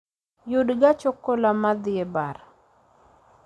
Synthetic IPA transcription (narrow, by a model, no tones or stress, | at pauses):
judɡat͡ʃɔkolamad̪ɪebaɾ